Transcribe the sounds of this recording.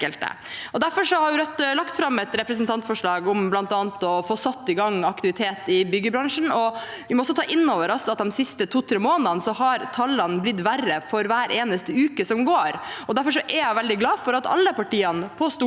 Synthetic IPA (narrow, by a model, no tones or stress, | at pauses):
əlt̪ə̰ | ɔd̪æɾfɔɾʂɔhɑɾjʊɾœt̪ːlɑkt̪fɾɑmːɛt̪ɾɛpɾəs̬ənt̪ɑnt̪fɔʂɭɑːɡʊmblɑnt̪ɑːnt̪ɔfoːsɑt̪ːɪɡɑŋːɑkt̪ɪʋɪt̪ʰeːt̪ɪbʏɡːəbɾɑŋʂn̩ɔ | ʋɪmɔsɔt̪ɑːʔɪnːoːʋəɾɔsɔɑt̪̚d̪ɛnsɪst̪ət̪ʰuːt̪ʰɾeːmoːnənsɔɦɑɾt̪ʰɑlːɑnblɪt̪ːʋærəfɔɾʋæːɾʔeːnəst̪əʉːkəsɔmɡoːɾɔd̪æɾfɔɾʂ̬ɔʔɛjæɪʋɛld̪ɪɡlɑːfɔɾɑt̪ɑ̰lːəpɑʈiːɑnpʰɔst̪u